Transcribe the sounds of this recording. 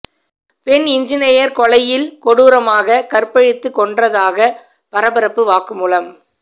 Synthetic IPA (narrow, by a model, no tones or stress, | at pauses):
pɛnɪɲd͡ʒɪnɐjɐɾkɔɭɐjɪlkɔɽuːɾɐmaːɣɐkɐrpɐɻɪt̪ːɯkːɔɳɖrɐðaːɣɐ | pɐɾɐbɐɾɐpːɯʋaːkɯmuːlɐm